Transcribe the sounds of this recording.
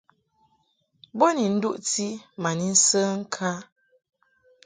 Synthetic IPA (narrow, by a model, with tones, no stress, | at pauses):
bo˦ni˨n̩˦du˦ʔti˦ma˨ni˦n̩˦sə˦ŋ̩˦kʰa˦